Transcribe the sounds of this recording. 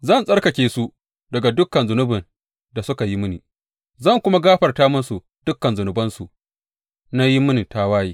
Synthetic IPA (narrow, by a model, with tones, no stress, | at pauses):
zɐ˦˨nsʼɐ˦rkɐ˨kʲeː˨su˦ | dɐ˨ɡa˨dʊ˦kːɐ˨nzʊ˨nʊ˦bɪ˨n | da˨sʊ˦ka˨ji˦mɪ˦ni˨ | zɐ˦˨ŋkʷʊ˦ma˦ɡaː˦ɸɐ˨rtaː˦mʊ˦nsu˨ | d̥ʊ˦kːɐ˨nzʊ˨nʊ˨bɐ˦nsu˨ | na˦ji˦mɪ˦ni˨ta˦waː˦jiː˦